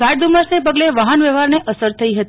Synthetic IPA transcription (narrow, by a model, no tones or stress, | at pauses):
aʈd̪uməsnepəɡleʋaɦənʋeʋaɾneʔəsəɾt̪ʰəiɦət̪